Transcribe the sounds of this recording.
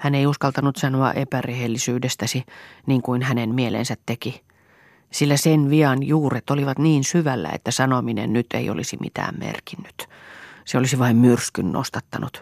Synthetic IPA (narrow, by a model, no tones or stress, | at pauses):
hæneiuskɑlt̪ɑnut̪sɑnoɑ̰ʔepærehelːisyːdest̪æsiniːŋkuinhænenmielḛnsæt̪teki | silːæsenʋiɑnjuːret̪oliʋɑt̪niːnsyʋælːæ̰ḛt̪ːæsɑnominḛnnyt̪ʰḛio̰lisimḭt̪æ̰ːmmḛrkinːy̥t̪seolisiʋɑimmyrskynːo̰st̪ɑt̪ːɑnut̪